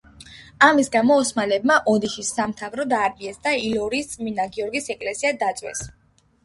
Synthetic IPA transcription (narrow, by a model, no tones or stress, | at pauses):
amisɡamɔːsmalɛbmaʔɔd̪iʃisːamt̪ʰavɾɔd̪aɾmiɛsd̪ailɔɾist̪sʼminaɡiɔɾɡisɛkʼlɛsiad̪at̪sʼwɛ̰s